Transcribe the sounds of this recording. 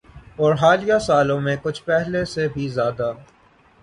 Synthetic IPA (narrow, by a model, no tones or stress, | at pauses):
ɔːɾɦaːlijasaːlõmẽkʊt͡ʃʰpɛɦlesebʱizjaːd̪a